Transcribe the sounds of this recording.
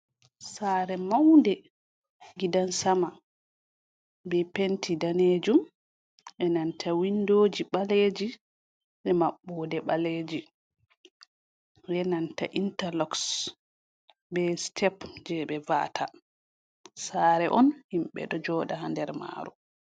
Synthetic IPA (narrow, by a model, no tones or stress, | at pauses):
saːɾɛmawndɛ | ɡidansama | bɛpentʰidaned͡ʒum | ʔɛnantʰawindoːd͡ʒiɓaleːd͡ʒi | ʔɛmaɓːɔdɛɓaled͡ʒi | jɛnanta̰ʔintalɔks | bɛstʰɛpd͡ʒɛɓɛva̰tʰa | saːɾɛʔɔnhimɓɛ̰ɗɔd͡ʒɔːɗahandɛɾma̰ɾu